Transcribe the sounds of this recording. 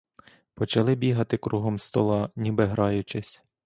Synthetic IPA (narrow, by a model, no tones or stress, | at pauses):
pɔt͡ʃɐlˠɪbʲiɦɐt̪ɪkɾʔuɦɔmst̪ɔlˠɑnʲibɛɦɾɑjʊt͡ʃɪsʲ